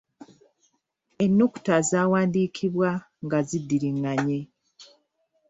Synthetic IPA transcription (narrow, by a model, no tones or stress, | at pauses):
enːuku̥tazaːwaːndiːkʰiβwa | ŋɡazidːiɾiŋːaɲe